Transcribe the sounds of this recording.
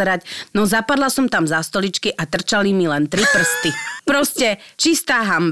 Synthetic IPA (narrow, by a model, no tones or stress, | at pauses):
ɾacnɔzapad̪lasɔmt̪amzast̪ɔlit͡ʃkiʔat̪r̩t͡ʃalimilɛnt̪ɾipr̩st̪ipɾɔscɛt͡ʃist̪aːɦamb